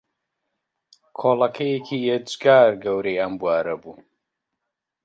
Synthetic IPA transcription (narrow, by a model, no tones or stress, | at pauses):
kʰoːlɐkʰɐjekʰiːjed͡ʒɡaːɾɡɐwɾejɐmbuaːɾɐbuː